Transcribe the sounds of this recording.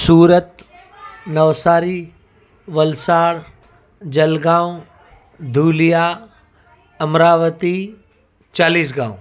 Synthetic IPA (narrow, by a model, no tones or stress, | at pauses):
suːɾət̪ | nɐʋsaːɾi | ʋɐlsaːɾ | d͡ʒɐlɡãːũ | d̪ʱuːlijaː | ɐmɾaːʋət̪i | t͡ʃaːliːs̬ɡãːũ